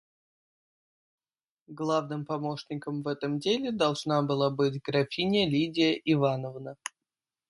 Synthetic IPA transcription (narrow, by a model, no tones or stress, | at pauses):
ɡlˠavnɨmpɐmo̞ʂnʲɪkəmvɛt̪əmdʲelʲɪd̪ɐlˠʐnabɨlˠabɨtʲɡɾɐfʲinʲɪəlʲidʲɪjəʔɪvanəvnə